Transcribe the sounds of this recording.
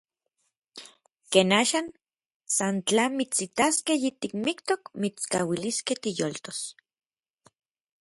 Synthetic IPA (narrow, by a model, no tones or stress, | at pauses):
keːnaːʃaːn | sant͡ɬaːnmit͡sit̪askehjit̪ik̚mikt̪okmit͡skawiliskeht̪ijolt̪os